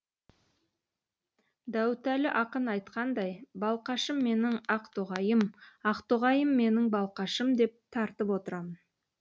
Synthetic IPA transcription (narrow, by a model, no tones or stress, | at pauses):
d̪æwt̪ælɪʔɑqənɑjt̪qɑnd̪ɑjbɑlˠqɑʃəmːe̞nɪŋɑqt̪uʁɑjəmɑqt̪oʁɑjəmːe̞nɪŋbɑlˠqɑʃəmd̪e̞p̚t̪ʰɑɾt̪əpwo̞t̪əɾɑmən